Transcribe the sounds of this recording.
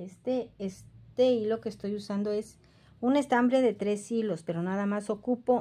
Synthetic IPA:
est̪eest̪e̞ilo̞ke̞ːst̪o̞jusand̪o̞e̞s | une̞st̪ambɾe̞ðe̞t̪ɾe̞silo̞spe̞ɾo̞naðamaso̞kupo̞

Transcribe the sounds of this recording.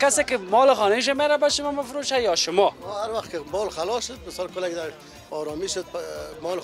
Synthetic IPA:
kasekɪmɔlɪxɔneʃ̬ameɾabaʃʊmɔmɪfɾoʃajɔʃʊmɔɔhaɾwaxt̪kɪmɔlxalɔʃʊd̪̚mɪsɔlkʊlakd̪a | ɔɾɔmiʃʊd̪̚pmɔl

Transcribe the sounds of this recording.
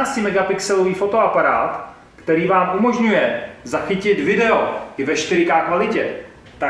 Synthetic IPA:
sɪmɛɡapɪksɛlo̞viːfo̞t̪o̞apaɾa̰ːt̪ | kt̪ɛɾiːvaːmʔumo̞ʒɲujɛzaxɪcɪt̪vɪdɛo̞ɪvɛʃt̪ɪɾɪkaːkvalɪcɛ | t̪a

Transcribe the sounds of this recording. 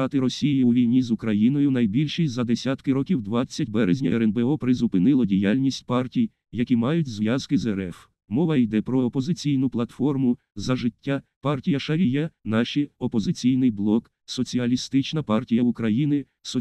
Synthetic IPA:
ɑt̪ɪɾɔsʲijjiuʋʲijnʲizʊkɾɐjinɔjʊnɐjbʲilʲʃijzɐd̪esʲat̪kɪɾɔkʲiwd̪ʋɑt͡sʲːɐtʲbɛɾezʲnʲɐɛɾɛnbeɔpɾɪzʊpɪnɪlˠɔdʲijalʲnʲisʲtʲpɑrtʲij | jɐkʲimɑjʊtʲzʋjazkɪzɛɾɛf | mɔʋɐjd̪ɛpɾɔːpɔzɪt͡sʲijnʊplˠɐt̪fɔrmʊ | zɐʒɪtʲːapɑrtʲijɐʃɐɾʲijɛnɑʃiɔpɔzɪt͡sʲijn̪ɪjblˠɔk | sɔt͡sʲiɐlʲist̪ɪt͡ʃnɐpɑrtʲijɐʊkɾɐjinɪ | sɔ

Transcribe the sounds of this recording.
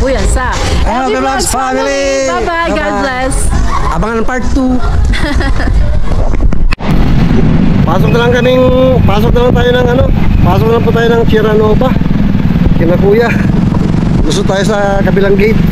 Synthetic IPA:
kujasa | a | ɛbafamili | apa | ɡad͡ʒlɛsʔabaŋɐnɐŋpaɾt̪̚t̪u | paːsok̚nɐlaŋkɐmiŋpaːsok̚nɐlaŋt̪aːjonɐŋɐnopaːsok̚nɐlaŋput̪aːjonɐŋt͡ʃiɾɐnoːba | kɪnɐkuːja | ɡust̪ʊt̪aːjosɐ | kɐbilaŋɡejt̪̚

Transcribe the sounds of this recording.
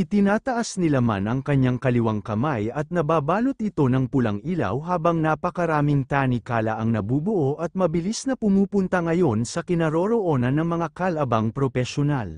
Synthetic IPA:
ʔɪt̪ɪnaːt̪ɐʔasnɪlama̰nʔɐŋkɐɲːaŋkɐlɪwaŋkɐmajɐt̪̚nɐbaːbaːlot̪̚ʔɪt̪o̞nɐŋpʊlɐŋila̰wɦaːbɐŋnapɐkɐɾaːmɪŋt̪aːnikaːlɐ̰ʔɐŋnɐbuːbʊʔo̞ʔɐt̪̚mɐbɪlisnɐpʊmuːpʊnt̪ɐŋɐjo̞nsɐkɪnɐɾo̞ɾoʔo̞nɐnːɐŋmɐŋakɐlɐbɐŋpɾofɛʃona̰l

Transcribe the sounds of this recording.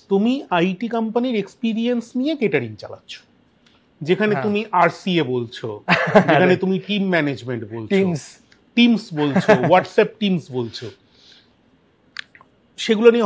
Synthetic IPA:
t̪umiajʈikampaniɾekspiɾiensnijekeʈaɾiŋt͡ɕa̰la̰tːɕʰo̥ | d͡ʑekʰanet̪umiʔaɾsiebolt͡ɕʰod͡ʑekʰanet̪umiʈimːɛned͡ʑmeɳʈbolʰios | ʈimsbolt͡ɕʰowɔʈsɛp̚ʈimsbolt͡ɕʰo | ʃeɡulonie

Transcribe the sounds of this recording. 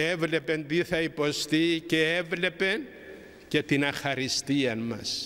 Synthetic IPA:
e̞vle̞pe̞nt̪iθɐipo̞st̪ice̞evle̞pe̞n | ce̞t̪inɐxɐɾist̪iɐnmɐ̰s

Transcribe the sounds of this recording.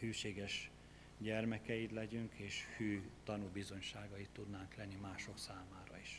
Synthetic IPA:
hyːʃeːɡɛʃ | ɟɛrmɛkɛjid̪lɛɟyŋkeːʃfyːt̪ɒnubizo̞ɲʃaːɡɒit̪ːud̪naːŋklɛnːimaːʃo̞ksaːmaːɾɒiʃ

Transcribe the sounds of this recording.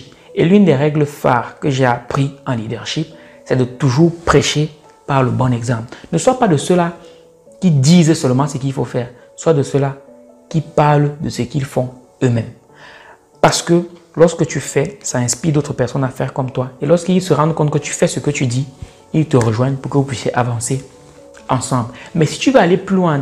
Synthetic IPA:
elynd̪ɛʁɛɡləfa̰ʁkəʒeapχiɑ̃lid̪əʁʃip̚ | sɛd̪ət̪uʒuːʁpχeʃe | paʁləbɔ̃nɛɡzɑ̃plnəswapad̪əsəla | kʲid̪izsəlmɑ̃səkilfofɛːʁ | swad̪əsəla | kipaʁld̪əsəkilfɔ̃ | ømɛ̃m | paʁsə̥kəlɔʁskət̪yfɛsaɛ̃spid̪ot̪χəpɛʁsɔnafɛʁkɔmt̪waelɔʁskilsəʁɑ̃d̪kɔ̃t̪̚kət̪y̥fɛsəkət̪yd̪i | ilt̪əʁəʒwɛ̃npuʁkəvupɥisjeʔavɑ̃se | ɑ̃sɑ̃blmɛsi̥t̪yvøaleplylwɛ̃

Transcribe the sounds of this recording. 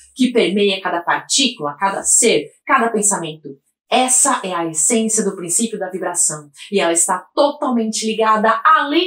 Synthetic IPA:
kɪpeɾmejɐkad̪ɐpaɾt͡ʃikulɐkad̪ɐ̰seɾkad̪ɐpẽsamẽnt̪ʊ | ɛsɐʔɛɐesẽsjɐd̪ʊpɾĩsipjʊd̪ɐvibɾasɐ̃w̃ɪɛlɐɪst̪at̪ot̪awmẽnt͡ʃɪliɡad̪ɐalĩ

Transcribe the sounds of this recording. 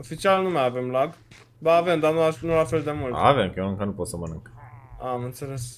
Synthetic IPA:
o̞fit͡ʃialnumajave̞mlaɡ | baːve̞md̪anuanulafe̞ld̪e̞mult̪a̰vemkeəŋkanupot̪səmənɨŋkamɨnt̪se̞le̞s

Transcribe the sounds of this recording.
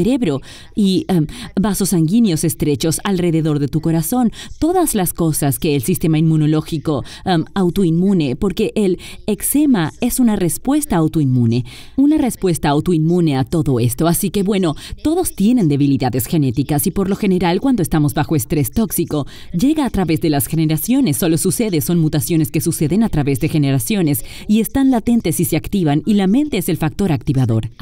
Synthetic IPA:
eɾe̞βɾo̞ | iabaso̞saŋɡinjose̞st̪ɾe̞t͡ʃo̞salre̞ðe̞ðo̞ɾðe̞t̪uko̞ɾaso̞nt̪o̞ðazlasko̞saskeːlsist̪e̞maimmːuno̞lo̞xiko̞awt̪oimmune̞po̞ɾke̞ʔelekse̞mae̞sunare̞spwe̞st̪aːwt̪oinmune̞ | unare̞spwe̞st̪aːwt̪oinmune̞at̪o̞ðo̞e̞st̪o̞asike̞βwe̞no̞t̪o̞ðost̪je̞ne̞nd̪e̞βiliðaðe̞sxe̞ne̞t̪ikasipo̞ɾlo̞xe̞ne̞ɾalkwand̪oest̪amo̞zbaxo̞est̪ɾe̞st̪o̞ksiko̞ | ɟ͡ʝe̞ɣaːt̪ɾaβe̞zðelasxeneɾasjo̞nesːo̞lo̞suse̞ðe̞so̞nmut̪asjo̞ne̞skesuse̞ðe̞nat̪ɾaβe̞zðe̞xe̞ne̞ɾasjone̞s | ie̞st̪anlat̪e̞nt̪e̞sise̞akt̪iβanilamẽ̞nt̪eese̞lfak̚t̪o̞ɾakt̪iβaðo̞̰ɾ

